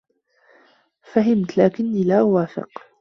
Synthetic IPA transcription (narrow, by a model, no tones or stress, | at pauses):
faɦɪmt̪laːkɪnːiːlaːwaːfɪ̰q